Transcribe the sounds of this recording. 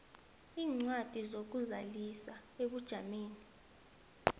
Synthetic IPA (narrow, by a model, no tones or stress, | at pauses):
iːŋ͡ǀwad̥ʱizok̬uzalisaeɓud̥ʒ̥ʱameːni